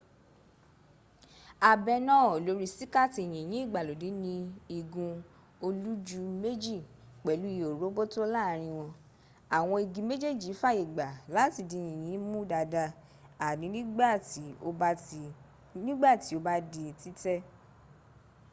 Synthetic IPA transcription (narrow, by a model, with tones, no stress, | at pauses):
a˨bɛ˧nãː˦˨lo˨˦ɾi˦si˦ka˦˨ti˧˨j̃ĩ˨j̃ĩ˨˦i˦˨ɡ͡ba˨lo˨di˨˦nĩ˧i˧ɡũ˧ | o˧lu˦d͡ʒu˧me˦d͡ʒi˦˨ | k͡pɛ˨lu˨˦i˦˨o˨ɾo˨˦bo˦to˦la˦˨˦ɾ̃ĩ˧w̃ɔ̃˧ | a˨w̃ɔ̃˧i˨ɡĩ˧me˦d͡ʒe˦˨d͡ʒi˨˦fa˦i˨ɡ͡ba˨la˨˦ti˦˨di˧˨j̃ĩ˨j̃ĩ˨˦mũ˦da˧da˧ | a˨nĩ˨˧˦nĩ˦ɡ͡ba˦˨ti˨˦o˧ | nĩ˦ɡ͡ba˦˨ti˨˦o˧ba˦di˧˨ti˦tɛ˦